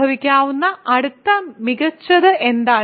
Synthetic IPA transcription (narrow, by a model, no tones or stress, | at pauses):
ɐʋikʲːaːʋunːɐʔɐɽut̪ːɐmiɣɐt͡ɕːɐðɨʔe̞nd̪aː